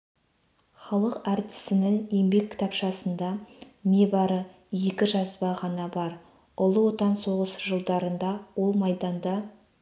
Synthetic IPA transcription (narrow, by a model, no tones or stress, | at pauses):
χɑlˠəqæɾt̪ɪ̥sɪnɪŋe̞mbe̞kʲʰːɪ̥t̪ʰɑpʃɑsənd̪ɑmebɑɾə | je̞kʲɪʒɑsbɑʁɑnɑbɑɾ | ʊlˠəwo̞t̪ɑnso̞ʁəsʒəlˠd̪ɑɾənd̪ɑwo̞lˠmɑjd̪ɑnd̪ɑ